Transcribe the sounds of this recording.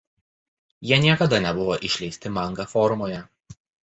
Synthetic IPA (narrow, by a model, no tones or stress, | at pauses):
jiɛnʲiɛkɐd̪ɐnʲɛbʊʋoːʔɪʃʲlʲɛɪsʲt̪ʲɪmɐŋɡɐfɔɾʊmoːjɛ